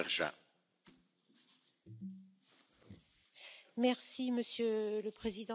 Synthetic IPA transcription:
ʁʒa̰ | mɛʁsiməsjøləpχezid̪ɑ̃

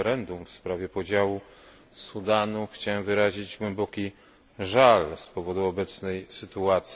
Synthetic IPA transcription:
ɾɛnd̪umfspɾavʲjɛpɔd͡ʑawu | sud̪anuxt͡ɕawɛmvɘɾaʑid͡ʑɡwɛmbɔkʲi | ʐalspɔvɔd̪uɔbɛt̪snɛjsɘt̪uat̪s

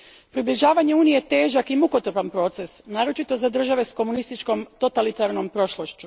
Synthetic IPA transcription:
pɾibliʒaːʋaɲe̞uːnijet̪e̞ːʒakimuko̞t̪rpanpɾo̞ːt̪se̞snaːɾo̞t͡ʃit̪o̞zad̪r̩ʒaʋe̞sko̞munist̪it͡ʃko̞mt̪o̞t̪alit̪aɾno̞mpɾo̞ʃlˠoʃt͡ɕu

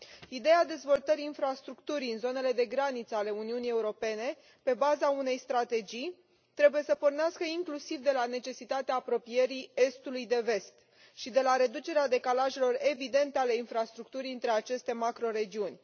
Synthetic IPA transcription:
id̪e̞jad̪e̞zvo̞lt̪əɾiːnfɾast̪ɾukt̪uɾiɨnzo̞ne̞le̞d̪e̞ɡɾanit̪səale̞uniunije̞uɾo̞pe̞ne̞ | pe̞bazaune̞jst̪ɾat̪e̞d͡ʒij | t̪ɾe̞buje̞səpo̞rneaskəiŋklusivd̪e̞lane̞t͡ʃe̞sit̪at̪eaːpɾo̞pije̞ɾie̞st̪ulujd̪e̞ve̞st̪ | ʃid̪e̞laɾe̞d̪ut͡ʃe̞ɾead̪e̞kalaʒe̞lo̞re̞vid̪e̞nt̪eale̞infɾast̪ɾuk̚t̪uɾʲɨnt̪ɾe̞at͡ʃe̞st̪e̞makɾo̞ɾe̞d͡ʒiunʲ

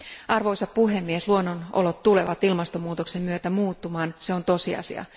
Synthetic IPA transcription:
ʔɑrʋo̞jsɑppuɦe̞mːiesluonːonʔolo̞t̪ːule̞ʋɑt̪ilmɑst̪omːuːt̪o̞kse̞mːyøt̪æmuːt̪ːumɑːnse̞o̞nt̪o̞siɑ̰sḭɑ̰

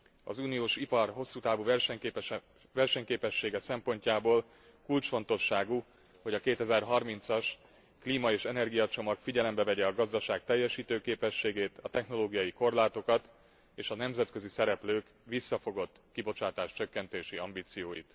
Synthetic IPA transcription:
ɒ̰zuːnijoːʃipɒrɦo̞sːuːt̪aːvuvɛrʃɛɲ | vɛrʃɛɲkeːpɛʃːeːɡɛsɛmpo̞ɲcaːboːl | kult͡ʃfo̞n̪t̪o̞ʃːaːɡu | ho̞ɟɒkeːt̪ɛzɛrɦɒrmint̪sɒʃ | kliːmɒeːʃɛnɛrɡijɒt͡ʃo̞mɒkfiɟɛlɛmbɛvɛɟɛɒɡɒzd̪ɒʃaːk̚t̪ɛjːɛʃiːt̪øːkeːpɛʃːeːɡeːt̪ʰɒt̪ɛxno̞loːɡijɒjiko̞rlaːt̪o̞kɒt̪ | eːʃɒnɛmzɛt̪kø̞zisɛɾɛpløːk | ʋisːɒfo̞ɡo̞t̪ːkibo̞t͡ʃaːt̪aːʃt͡ʃøkːɛnt̪eːʃiɒmbiːt̪sijoːjḭt̪

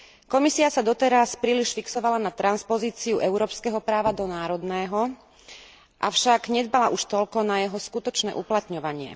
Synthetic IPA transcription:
kɔmisiasad̪ɔt̪ɛɾaspɾiːliʃfiksɔʋalanat̪ɾanspɔziːt͡siuʔɛʊɾɔːpskɛɦɔpɾaːʋad̪ɔnaːɾɔd̪nɛːɦɔ | ʔafʃaɡɲɛd̪balaʔuʃt̪ɔlkɔnajɛɦɔskut̪ɔt͡ʃnɛ̰ːʔuplat̪ɲɔʋaɲɪɛ̰

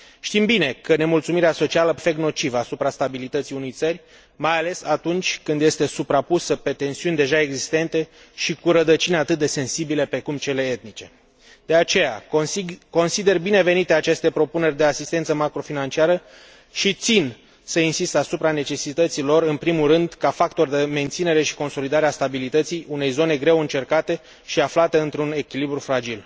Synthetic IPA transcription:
ʃt̪imbine̞kəne̞mult̪sumiɾeaso̞t͡ʃialəfe̞kno̞t͡ʃivəasupɾast̪abilit̪ət̪sijunejt̪sərʲ | majale̞sat̪unt͡ʃʲkɨnd̪je̞st̪e̞supɾapusəpe̞t̪e̞nsiunʲd̪e̞ʒae̞ɡzist̪e̞nt̪e̞ | ʃikuɾəd̪ət͡ʃineat̪ɨt̪̚d̪e̞se̞nsibile̞pɾe̞kumt͡ʃe̞le̞et̪̚nit͡ʃe̞ | d̪̥e̞at͡ʃe̞ja̰ | ko̞nsid̪e̞rbine̞ve̞nit̪eat͡ʃe̞st̪e̞pɾo̞pune̞rʲd̪e̞asist̪esəmakɾo̞finant͡ʃiaɾə | ʃit̪sin | səinsist̪asupɾane̞t͡ʃe̞sit̪ət̪silo̞rɨnpɾimulrɨnd̪kafak̚t̪o̞rd̪e̞me̞nt̪sine̞ɾe̞ʃi̥ko̞nso̞lid̪aɾeast̪abilit̪ət̪sijune̞jzo̞ne̞ɡɾe̞wɨnt͡ʃe̞rkat̪e̞ | ʃiaflat̪e̞ɨnt̪ɾune̞kʲilibɾufɾad͡ʒil

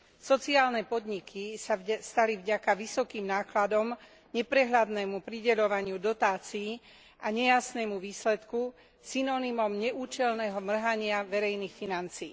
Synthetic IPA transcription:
sɔt͡siaːlnɛpɔd̪ɲikʰisast̪alivɟakaʋisɔkiːmnaːklad̪ɔm | ɲɛpɾɛɦlad̪nɛːmupɾiɟɛʎɔʋaɲɪud̪ɔt̪aːt͡siː | ʔaɲɛjasnɛːmuʋiːslɛt̪ku | sinɔnimɔmɲɛʔuːt͡ʃɛlnɛɦɔmr̩ɦaɲɪaʋɛɾɛjnixfinant͡siː

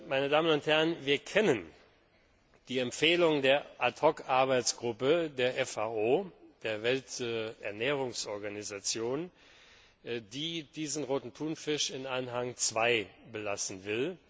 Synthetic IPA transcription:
maɪnədaːmənʊnthɛɐənviːɐkʰɛnən | d̥iːɛmpfeːlʊŋdeːɐʔatʰɔkaɐbaɪt͡sɡ̥ʁʊpədeːɐʔɛfaʔoːd̥eːɐvɛltɛɐnɛːʁ̞ʊŋsʔɔɐɡanizat͡sjoːn | diːdiːzn̩ʁoːtn̩tʰuːnfɪʃɪnanɦaŋt͡sv̥aɪbəlasn̩vɪl

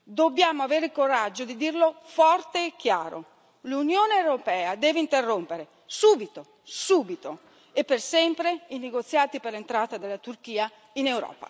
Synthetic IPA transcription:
d̪obːjaːmoaveːɾeilkoɾad͡ʒːod̪id̪irlofɔrt̪eːkːjaːɾo̰ | lunjoːneewɾopɛːad̪ɛːveint̪erːompeɾe | suːbit̪o | suːbit̪o | epːersɛmpɾeineɡot̪sːjaːt̪iperlent̪ɾaːt̪ad̪elːat̪urk̟iːa | inewɾɔ̰ːpa̰

